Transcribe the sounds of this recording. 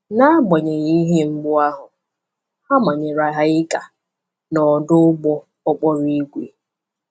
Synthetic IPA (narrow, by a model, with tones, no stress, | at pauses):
na˦ɡ͡bɔ˨ɲe˨ɣi˦ɦe˦ŋ͡m̩˦ɡ͡bʊ˦a˦ɦʊ˨ | ha˦ma˨ɲe˨ɾa˨ɦa˦ɪ˦ka˨ | nɔ˨dʊ˦ɡ͡bɔ˦ | ɔ˦k͡pɔ˦ɾi˦ɡʷe˨